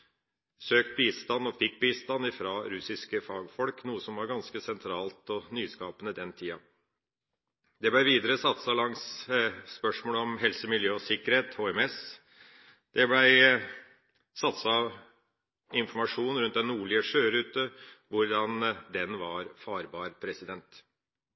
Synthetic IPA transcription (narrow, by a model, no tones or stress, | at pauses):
søːkt̪̚biːst̪ɑnːɔfɪk̚ːbiːst̪ɑnːɪfɾɑːɾʉsɪskəfɑːɡfɔlknuːəsɔmʋɑɾɡɑnskəsɛnt̪ʰɾɑːlt̪ɔnyːskɑːpənəd̪ɛnt̪ʰiːɑ | d̪ɛblæɪʋiːd̪əɾəsɑt̪sɑlɑŋsspœʂmoːləɔmɦɛlsəmɪljøːɔsɪkːəɾheːt̪hoːɛmɛs | d̪̥ɛblæɪ | sɑt̪sɑ | ɪnfɔɾmɑʂuːnɾʉnt̪̚d̪ɛnːuːɭɪəʂøːɾʉːt̪əʋʊɾɖɑnd̪ɛnʋɑɾfɑːɾbɑːɾpʰɾɛsɪd̪ɛnt̪